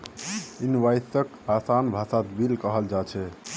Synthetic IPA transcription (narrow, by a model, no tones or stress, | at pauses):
inʋajsək | asanbʱasat̪bilkəɦəld͡ʒat͡ʃʰɛ